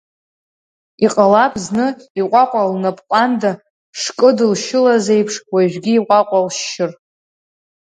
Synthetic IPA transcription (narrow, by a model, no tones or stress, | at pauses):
iqʼalapʰznɨiqʷʼaqʷʼalnapʼqʷʼanda | ʂkʼɨdɨlʃɪlaze̞jpʰʂwaʒᶣɡʲiːqʷʼaqʷʼalʃɪr